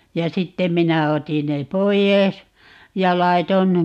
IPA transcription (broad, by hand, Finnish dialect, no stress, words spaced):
jɑ sitːem̆ minæ otin ne poijeˑs jɑ lɑiton